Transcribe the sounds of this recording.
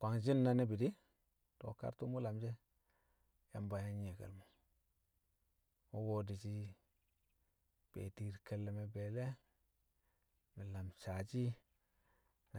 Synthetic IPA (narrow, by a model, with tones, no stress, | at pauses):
kʷa˨ŋd͡ʒi˦nːa˦ne˦bi˨di˦ | to̰˨ka̰˦ɾtu˦mu˦la˨md͡ʒe˦ | ja̰˨mba˨ja˦ɲe˨ɡḛ˨lmo˨ | wo˦wo˦di˨t͡ʃi˦ | b̥ḛ˨di˨ɾke˨lːe˨me˨be˨le˦ | mi˨la˨msa˨t͡ʃi˦ | na˨